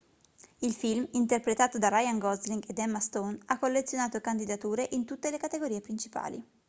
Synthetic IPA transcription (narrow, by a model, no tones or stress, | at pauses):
ilfilmint̪erpɾet̪aːt̪od̪arajaŋɡɔzliŋɡed̪ɛmːast̪onakːolːet̪sːjonaːt̪okand̪id̪at̪uːɾeʔint̪ut̪ːelekat̪eɡoɾiːepɾint͡ʃi̥pa̰ːlḭ